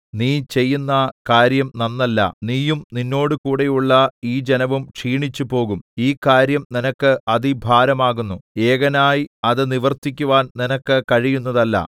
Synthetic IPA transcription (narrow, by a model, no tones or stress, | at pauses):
niːt͡ɕe̞jːunːɐkaːɾjɐmnɐnːɐlːɐ̰niːjumninːo̞ːɽɨkuːɽe̞juɭːɐiːd͡ʑenɐʋumʂiːɳit͡ɕːupo̞ːɣumiːkaːɾjɐmninɐkːɨɐðibʱaːɾɐmaːɣunːue̞ːɣɐnaːjiɐðɨniʋɐrt̪ikʲːuʋaːnninɐkːɨkɐɻijunːɐðɐlːɐ̰